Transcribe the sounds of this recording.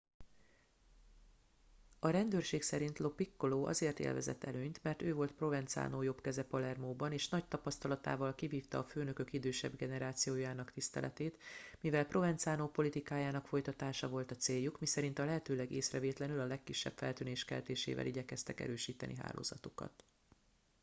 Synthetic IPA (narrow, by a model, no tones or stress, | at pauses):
ɒɾɛnd̪øːrʃeːksɛɾint̪lo̞pikːoloːʔɒ̰zeːrt̪ḛːlvɛ̰zɛ̰t̪ːɛløːɲt̪mɛrt̪øːvo̞lt̪pro̞vɛnt̪sa̰ːnoːjo̞bkɛzɛpɒlɛrmoːbɒneːʃnɒc̚t̪ɒpɒst̪ɒlɒt̪a̰ːvɒlkiviːft̪ɒːføːnø̞kø̞kid̪øːʃɛbɡɛnɛɾaːt̪sijoːjaːnɒkt̪ist̪ɛ̰lɛ̰t̪eːt̪mivɛlpro̞vɛnt̪saːnoːpo̞lit̪ikaːjaːnɒkfo̞jt̪ɒt̪aːʃɒvo̞lt̪ɒt̪seːjːukmisɛɾint̪ɒlɛɦɛt̪øːlɛɡeːsrɛveːt̪lɛnylɒlɛkːiʃːɛ̰bfɛ̰lt̪yːneːʃkɛ̰lt̪eːʃḛːvɛ̰lʔiɟɛkɛst̪ɛkɛ̰ɾøːʃiːt̪ɛ̰nʔḭɦa̰ːlʔo̰ːzɒ̰t̪ukɒ̰t̪